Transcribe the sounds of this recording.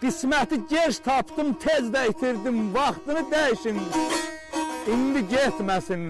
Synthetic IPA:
ɡ̥ismæt̪iɟeɾʃt̪ʰɑpʰd̪ɯmt̪ʰezd̪æit̪ʰiɾd̪imvɑχt̪ɯnɯd̪æjiʃin | ind̪iɟet̪mæsin

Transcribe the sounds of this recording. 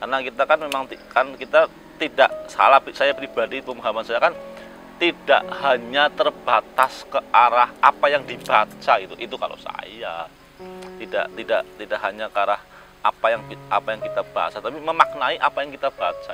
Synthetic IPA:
karnakit̪akanmemaŋt̪ikankit̪a | t̪idaʔsa̰lahpsajapɾib̥adipəmaɦamansajakan | t̪ida̰ʔhaɲat̪ərb̥at̪askəʔaɾahapajaŋdib̥at͡ʃaɡit̪uʔit̪uka̰lo̰sa̰ja | t̪ida̰ʔt̪idaʔt̪idaʔɦaɲakəaɾah | ʔa̰pajaŋiʔapajaŋkit̪ab̥aa̰sat̪apiməmak̚naiʔapajaŋkit̪ab̥aat͡ʃa

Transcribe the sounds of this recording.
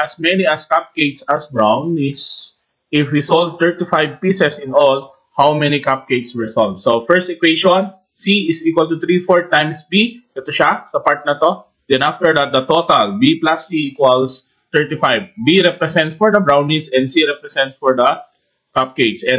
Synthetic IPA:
ʔɐsmɛniɐskap̚kejt̪sɐsbɹawnɪs | ʔɪfwisold̚t̪ɛɹt̪ifajv̚pisɛsɪ̃nɔl | hawmɛnikap̚kejt̪swɛsoldsofɛɹst̪ɛkwejʃɔ̃n | siɪsikwɐlt̪ʊt̪ɾifɔɹt̪ãjmsbiʔɛt̪oʃasɐpaɹt̪̚nɐt̪o | d̪̥ɛ̃nʔaft̪ɛɹd̪at̪̚d̪ɐt̪ot̪ɐlbiplasːiikwɐls | t̪ɛɹt̪ifajv̚ːiɾɛpɾɛsɛ̃nt̪sfɔɹd̪ɐbɹawnisɛ̃nd̪siɾɛpɾɛsɛ̃nt̪sfɔɹd̪ɐ | kap̚kejt̪sɛ̃n

